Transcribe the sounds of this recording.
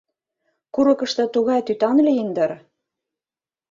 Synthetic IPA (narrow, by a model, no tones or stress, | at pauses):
kuɾɤ̆kɤ̆ʃt̪ɤ̆t̪uɣɑjt̪yt̪ɑnlʲeind̪ɤ̆ɾ